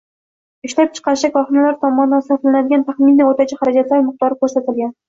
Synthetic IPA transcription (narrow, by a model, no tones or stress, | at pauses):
ɪʃlap̚t͡ʃʰɨ̥qʰɑɾɪʃakʰɒχɨnalaɾt̪ʰɒmɒnd̪ansaflanad̪ɪɡʲant̪ʰaχmɪniot̪at͡ʃʰaχaɾad͡ʒat̪laɾmɨq̚t̪ɒɾɪkʰʲɵɾsat̪ɪlɡʲan